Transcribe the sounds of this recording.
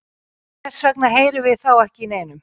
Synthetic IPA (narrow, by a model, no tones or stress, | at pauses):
ɛ̥svɛknaɦeːjɾɪvɪðθawɛhcɪineːjnʏm